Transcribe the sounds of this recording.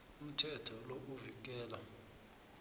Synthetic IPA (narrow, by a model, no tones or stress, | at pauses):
um̩tʰɛtʰɔlok̬uvik̬ʼɛːla